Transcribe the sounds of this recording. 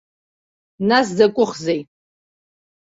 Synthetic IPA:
nas̬zakʷʼʊχzej

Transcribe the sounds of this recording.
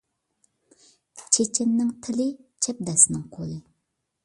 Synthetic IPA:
t͡ʃʰet͡ʃʰɪnːɪŋt̪ʰɪlɪt͡ʃʰɛp̚d̪ɛsnɪŋqʰolˠɨ

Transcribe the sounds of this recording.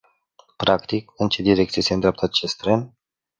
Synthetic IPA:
pɾakt̪ik̚ɨnt͡ʃe̞d̪iɾe̞k̚t̪sijeseɨnd̪ɾʲeap̚t̪ʰat̪t͡ʃest̪ɾen

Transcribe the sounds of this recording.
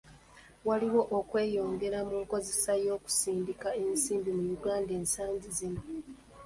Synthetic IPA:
waliwo̞ʔokwe̞ːjo̞ːŋɡe̞ɾamuko̞zesajo̞ːku̥siːndikae̞nsiːmbimujuɡaːnde̞ːnsaːɲɟizino

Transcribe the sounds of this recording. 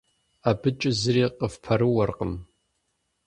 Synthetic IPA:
abɨt͡ʃʼɪzɨriːqʼəfpʰɐɾɨwɐrqʼəm

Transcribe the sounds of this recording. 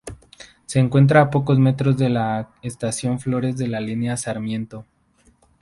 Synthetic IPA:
se̞ːŋkwe̞nt̪̬ɾaːpo̞ko̞zme̞t̪ɾo̞zðe̞la | est̪asjo̞ɱflo̞ɾe̞zðe̞lalinjasaɾmje̞nt̪o̞

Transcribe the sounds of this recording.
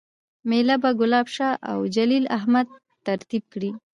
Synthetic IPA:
melabaɡʊlɑbʃɑʔa̰wd͡ʒalilaɦmad̪̚ | t̪aɾt̪ib̚kɽi

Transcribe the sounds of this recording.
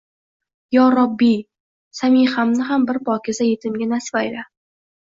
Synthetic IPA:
jɒːɾɒbːi | samijχamnɪɦambɪɾpʰɒkʲʰɪzajet̪ʰɪmɡʲanasvajla

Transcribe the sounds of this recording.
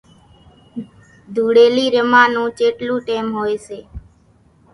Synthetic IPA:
d̪ʱuːɽeːliːɾəmãːnũːt͡ʃeːʈlũːʈeːmɦoːeseː

